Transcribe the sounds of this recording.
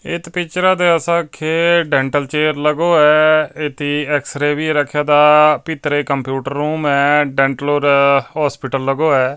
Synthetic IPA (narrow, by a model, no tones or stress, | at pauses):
ɪt̪pɪt͡ʃɾãːd̪eːəsãːkʰeːɖɛ̃ːɳʈəlt͡ʃeːəɾləɡoːɛːɪt̪ʰiːɛksɾeːʋiːɾəkʰːjaːd̪aːpɪt̪ɾeːkəmpjuːʈəɾːuːmɛːɖɛ̃ːɳʈəloːɾɦɔːspɪːʈəlːəɡoːɛː